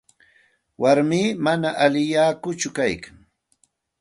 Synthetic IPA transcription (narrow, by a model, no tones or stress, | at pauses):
waɾmiːmanaʔalɪjaːkʊt͡ʃʊkajkaŋ